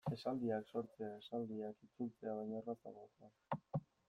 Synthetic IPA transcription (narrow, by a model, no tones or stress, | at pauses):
e̞sald̪iakso̞ɾt͡seae̞sald̪iakit͡sult͡se̞aβ̞ajɲaerasa̰ɣot̪ak